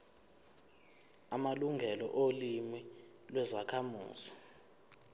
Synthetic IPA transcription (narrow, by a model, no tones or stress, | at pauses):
amaluŋʱɛlɔ̰ʔolimi | lwɛzakʰamṵːz̥i̥